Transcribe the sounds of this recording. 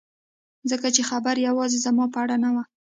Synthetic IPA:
zəkat͡ʃexabaɾjawɑzezamɑpəaɽanawa

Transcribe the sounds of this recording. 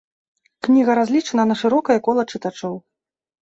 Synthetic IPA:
knʲiɣɐɾazʲlʲit͡ʂɐnɐnɐʂɨɾɔkɐjɐkɔlˠɐt͡ʂɨt̪at͡ʂɔw

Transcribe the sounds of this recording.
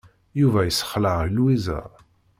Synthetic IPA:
juvæjəsːə̥χləʁilwizə̰

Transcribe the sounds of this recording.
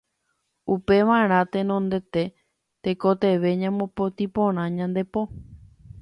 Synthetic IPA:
upe̞ʋãɾ̃ãt̪ẽ̞nõnd̪e̞t̪e̞ | t̪ekot̪e̞ʋe̞ɲãmõpot̪ipõɾ̃ãɲãnd̪e̞po

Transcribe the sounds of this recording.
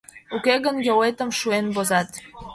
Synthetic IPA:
ukeɣənjowet̪ə̆mʃuenbozɑt̪

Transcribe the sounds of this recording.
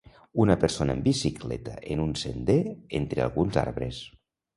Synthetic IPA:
unəpeɾsonəembisiklɛ̰t̪əʔenunsend̪eent̪ɾea̰lˠɣunza̰ɾβɾes

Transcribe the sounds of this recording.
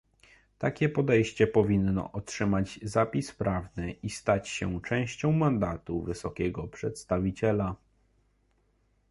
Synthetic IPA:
t̪akʲɛpɔd̪ɛjɕt͡ɕɛpɔvʲinːɔ̰ʔɔtʂɘmad͡ʑzapʲispɾavnɘʔist̪at͡ɕɕɛt͡ʂɛ̃w̃ɕt͡ɕɔ̃w̃mand̪at̪uvɘsɔkʲɛɡɔpʂɛt̪st̪avʲit͡ɕɛla

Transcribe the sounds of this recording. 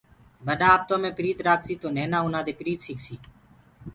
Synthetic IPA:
bəɗãːaːb̚t̪õːmẽːpɪɾiːt̪ɾaːksiːt̪oːneːnaːʊnãːd̪eːpɾiːt̪siːksiː

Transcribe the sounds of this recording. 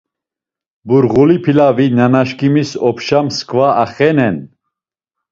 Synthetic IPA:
buɾʁulipʰilavinanaʃkimisɔpʰʃamskʰʼvaaχɛnɛn

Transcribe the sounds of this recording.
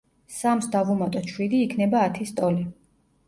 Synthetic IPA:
samsd̪avumat̪ʼɔt͡ʃʰwid̪iːkʰnɛbaːt̪ʰist̪ʼɔli

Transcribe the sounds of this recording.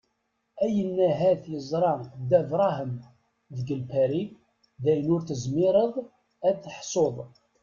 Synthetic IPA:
æjənːæɦæθjəzˤɾˤɑd̪ævɾˤɑɦəm | ðəɡəlpæɾi | ðæjənʊɾθəzmɪɾˤəðˤ | æθəħsˤoðˤ

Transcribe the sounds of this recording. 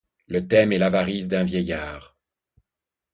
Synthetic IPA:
lət̪ɛmɛlavaʁizd̪ɛ̃vjɛjaːʁ

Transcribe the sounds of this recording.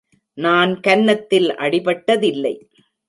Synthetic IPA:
naːnkɐnːɐt̪ːɪlɐ̰ɽɪpɐʈːɐðɪlːɐɪ

